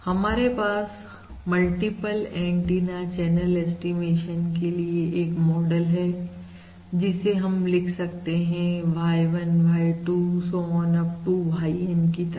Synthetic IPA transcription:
hɐmaːɾepaːs | mɐlʈipəlɛ̃ːɳʈiːnat͡ʃɛːnəlɛːsʈimeːʃənkelieʔeːkmɔːɖəlɦɛː | d͡ʒɪseɦɐmlɪkʰsɐk̚t̪eɦɛ̃ʋʱaːjʋənbʱaːiʈuːsoɔːnɐp̚ʈubʱaːiənkit̪ɐ

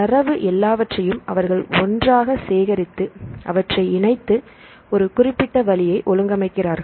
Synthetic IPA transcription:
ɐrɐʋɯʔɛlːaːʋɐʈrɐjɯmɐ̰ʋɐɾɣɐɭɔndraːɣɐseːɣɐɾɪt̪ːɯʔɐ̰ʋɐʈrɐɪɪnɐɪt̪ːɯ | ɔɾɯkʊrɪpːɪʈːɐʋɐlɪjɐɪʔɔlɯŋɡɐmɐɪkːɪraːɾɣɐ

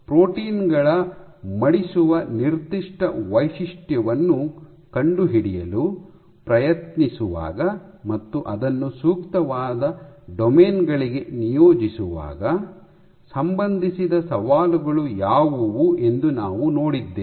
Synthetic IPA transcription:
pɾoːʈiːnɡɐɭɐmɐɽisuʋɐniɾd̪iʂʈɐʋɐjʃiʂʈjɐʋɐnːu | kɐɳɖuɦiɽijɐlu | pɾɐjɐt̪nisuʋa̰ːɡɐmɐt̪ːuʔɐd̪ɐnːusuːkt̪ɐʋaːd̪ɐɖɔmeːnɡɐɭiɡe̞nijoːd͡ʒisuʋa̰ːɡɐ | sɐmbɐnd̪ʱisid̪ɐsɐʋaːluɡɐɭujaːʋuʋuʔe̞nd̪unaːʋuno̞ːɽid̪ːeː

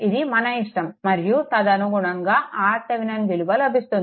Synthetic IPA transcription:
id̪imɐnɐiʂʈɐmːɐɾjut̪ɐd̪ɐnuɡuɳɐŋɡaːʔaːt̪ɐʋinɐnʋiluʋɐlɐbʱist̪und̪ii

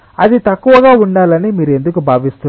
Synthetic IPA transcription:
ɐd̪it̪ɐkːuʋɐɡaːuɳɖaːlɐnimiːɾue̞nd̪ukubʱaːʋist̪un

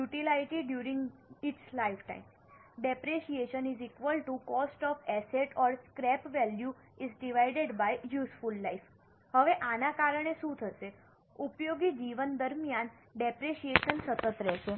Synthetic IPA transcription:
juʈilaiʈiɖjuɾĩŋɡit͡ʃlaifʈa̰im | ɖepɾeʃieʃənizikʋəlʈukɔsʈɔfɛseʈɔɾskɾɛpʋɛlju | izɖiʋajɖeɖbajjusfulːajf | həʋeʔanakaɾəɳ̃eʃũt̪ʰəʃe | upjoɡid͡ʒiʋənd̪əɾmjan | ɖepɾeʃieʃənsət̪ət̪ɾɛʃe

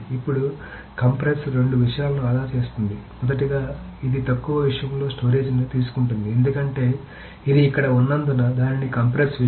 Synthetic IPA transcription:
ipːuɽu | kɐmpɾesɾe̞ɳɖuʋiʂɐjaːlɐnuaːd̪ʱaːɾt͡ʃe̞ːst̪und̪imɔd̪ɐʈ̬iɡaː | id̪it̪ɐkːuʋɐʋiʂɐjɐmlo̞ːsʈo̞ːɾe̞ːd͡ʒnut̪iːsu̥kuɳʈund̪ie̞nd̪ukɐɳʈe̞ː | id̪iːkːɐɽɐunːɐnd̪unɐd̪aːninikɐmpɾesʋi

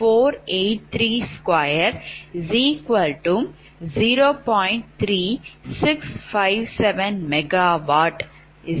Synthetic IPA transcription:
foːɾeːʈ̚t̪ʰɾiːskwajəɾziːkʋɐlʈum | ziːɾoːpɔ̃ːɪ̃ɳʈ̚t̪ʰɾiːsɪksfaɪʋsɛʋɛ̃nmɛɡaʋaːʈ

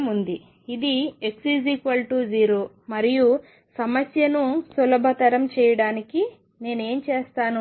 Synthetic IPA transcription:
mund̪i | id̪ie̞ksid͡ʒikʋɐlʈud͡ʒiːɾoː | mɐɾiju | sɐmɐsjɐnusulɐbʱɐt̪ɐɾɐmt͡ʃɛːjɐɽaːniki | ne̞ːne̞ːmt͡ʃeːst̪aːnu

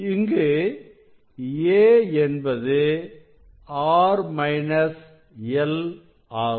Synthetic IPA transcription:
ɪŋɡe | eːɛnbɐðɯ | aːɾmɐɪnɐs | ɛl | aː

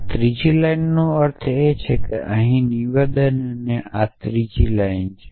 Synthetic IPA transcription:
t̪ɾid͡ʒilajnːũəɾt̪ʰet͡ʃʰekḛʔəɦĩniʋed̪ənneʔat̪ɾid͡ʒilaint͡ʃʰe

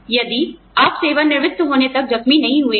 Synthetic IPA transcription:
jɐd̪i | aːpseːʋanɪɾʋɪt̪ːɦoːnet̪ɐk̚d͡ʒɐxminɐɦĩɦue

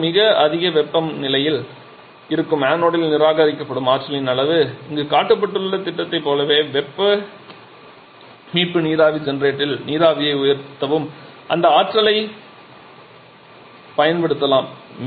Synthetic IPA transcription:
mɪɣɐɐðɪɣɐʋɛpːɐmnɪlɐjɪl | ɪɾɯkːɯmaːnoːɽɪlnɪɾaːɣaːɾɪkːɐpːɐɽɯmaːʈɾɐlɪnɐlɐʋɯɪŋɡekaːʈːɯpːɐʈːɯllːɐt̪ːɪʈːɐt̪ːɐɪpːoːlɐʋeːʋɛpːɐ | miːpːɯniːðaːʋid͡ʒɛnɾeːʈːɪlniːðaːʋɪjɐɪʊjɐɾt̪ːɐʋɯm | ʔɐ̰nd̪ɐaːʈrɐlɐɪ | pɐjɐnpɛɽɯt̪ːɐlaːm

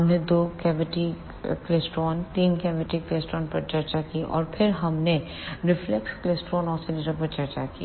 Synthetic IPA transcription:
ɦɐmned̪oːkɛːʋɪʈi | kleːsʈɾɔːnt̪iːnkɛːʋɪʈikleːsʈɾɔːnpɐɾt͡ʃɐɾt͡ʃakiʔɔ̰ːɾpʰɪɾɦɐmne | ɾɪflɛkskleːsʈɾɔːnɔːsɪlɪʈəpɐɾt͡ʃɐɾt͡ʃakḭː

